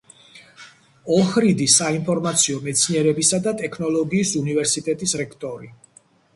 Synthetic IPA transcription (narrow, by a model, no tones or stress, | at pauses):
ɔhɾid̪isainpʰɔɾmat̪sʰiɔmɛt̪sʰniɛɾɛbisad̪at̪ʼɛkʰnɔlˠɔɡiːsunivɛɾsit̪ʼɛt̪ʼisɾɛkʰt̪ʼɔɾi